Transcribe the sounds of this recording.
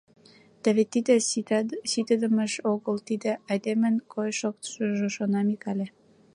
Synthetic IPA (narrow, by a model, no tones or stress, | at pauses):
t̪æβet̪ːid̪ĕssit̪ə̆d̪ə̆mə̆ʃoɣəlt̪id̪ĕɑjd̪emə̆nkʰojʃok̚t̪ʃəʒŏʃonɑmikɑlʲe